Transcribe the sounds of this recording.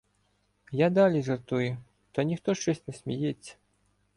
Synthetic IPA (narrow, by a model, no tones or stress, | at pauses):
jad̪alʲizɐrt̪uju | t̪ɐnʲixt̪ɔʂt͡ʃɔsʲtʲnʲɛsʲmʲɛjet͡ssʲːɐ̥